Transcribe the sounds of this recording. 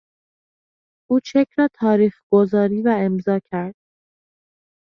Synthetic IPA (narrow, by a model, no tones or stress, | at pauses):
ʔuːt͡ʃʰekʰɾɒːt̪ʰɒːɾiːxɡ̥ozɒːɾiːvæe̞mzɒːcʰæɾd̪̥̚